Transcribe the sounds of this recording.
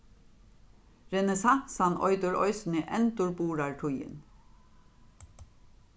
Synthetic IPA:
ɾɛnɛsɑːsɑnʔɔ̰ʏd̪ʊɹʔɔ̰ʏsn̩iːʔɛnt̪ʊɹbuːɹɑːɹʈʰʊjə̰n

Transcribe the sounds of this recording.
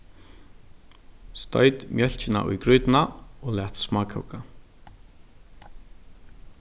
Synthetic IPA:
st̪ɔ̰jt̪mʲjɛɬt͡ɕɪna̰ʔʊ̰jkɾʊjt̪naolat̪smakʰa̰wka

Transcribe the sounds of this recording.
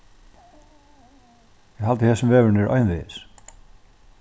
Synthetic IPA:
jɛɣɦalt̪ɪθɛsʏmvɛːvʏɾnɪɾʔœ̰ɥjnðvɪɪs

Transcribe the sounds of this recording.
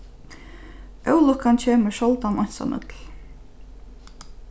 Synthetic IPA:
ʔœwlʊkant͡ɕʰeːməʃɔlt̪anɔjnsa̰nʔʏ̰t̪l

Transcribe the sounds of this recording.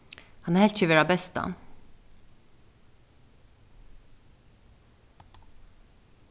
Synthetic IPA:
hɑnæɾhɛlt̪ɕʏʋeːɾɑbɛst̪ɑ̰n

